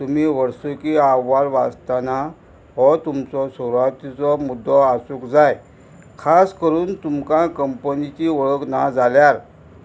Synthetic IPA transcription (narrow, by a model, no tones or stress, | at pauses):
t̪um̤iːʋəɾsukiaʋalʋa̰st̪ana | ɦɔt̪umt͡sɔsoɾat̪it͡sɔmud̪ːɔasuːkd͡zaj | kʰaskəɾuːnt̪umkãkəmpənit͡ɕiːʋəɭəkna̰d͡zaljaɾ